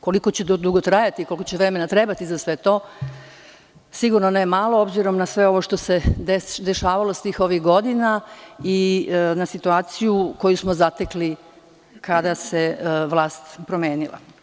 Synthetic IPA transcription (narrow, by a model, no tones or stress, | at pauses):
ko̞liko̞t͡ɕed̪d̪uɡot̪ɾajat̪ikolikot͡ɕeʋɾeme̞nat̪ɾe̞bat̪izasʋe̞t̪o̞ː | siɡuɾnonajemalˠo̞obziɾo̞mnasʋe̞o̞ʋo̞ʃt̪o̞se̞d̪eʃaːʋalost̪iːxo̞ʋixɡo̞d̪inainasit̪uaːt̪sijuko̞jusmozat̪ekli | kad̪aseʋlˠaːst̪pɾome̞ːnila̰